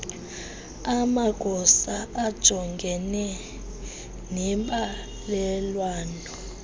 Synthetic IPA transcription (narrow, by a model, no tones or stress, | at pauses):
amaɡ̥ʱɔsaad̥ʒ̥ʱɔŋɡʱɛnɛ | nɛmɓa | lɛlwaːnɔ